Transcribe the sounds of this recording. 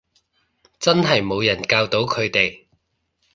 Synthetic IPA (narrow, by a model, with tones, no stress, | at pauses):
t͡sɐ˥nɦɐ˨jmo˨˧wjɐ˨˩nkaː˧wt̪o˨˥wkʰɵ˨˧ɥt̪e˨j